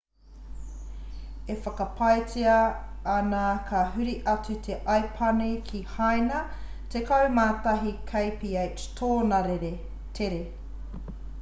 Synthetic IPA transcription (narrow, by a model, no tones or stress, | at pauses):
efɐkɐpʰɐjt͡siɐːnakʰaɦʉɾiʔɐt͡sʉt̪ʰeʔɐjpʰɐnikʰihajnɐ | tekɐwmaːtɐɦikʰɐjpiej | tʰoːnɐɾeɾe | tʰeɾe